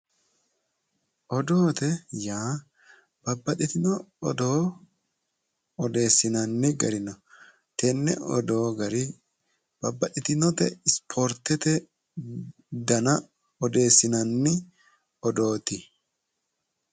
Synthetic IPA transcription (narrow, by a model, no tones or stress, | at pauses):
ʔɔd̪oːt̪ɛjaː | b̥ɐbːɐtɛt̪ɪnɔːd̪oː | ɔd̪e̞ːsːɪnɐnːɪɡɐɾɪnɔ | t̪ɛnːɛ̰ɔ̰d̪o̞ːɡɐɾɪ | b̥ɐbːɐtɪt̪ɪnɔt̪ɛ̰ɪspʰɔɾt̪ːɛt̪ɛ | d̪ɐnɐ | ɔd̪e̞ːsːɪnɐnːɪ | ɔd̪o̞ːt̪ɪ